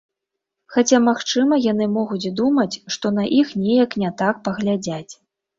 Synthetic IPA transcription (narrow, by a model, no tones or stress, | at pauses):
xat͡sʲamaxt͡ʂɨmɐjan̪ɨmɔɣut͡sʲd̪umɐt͡sʲʂt̪ɔnɐʔixnʲɛjɐknʲɛt̪ak̚pɐɣlʲad͡zʲat͡sʲ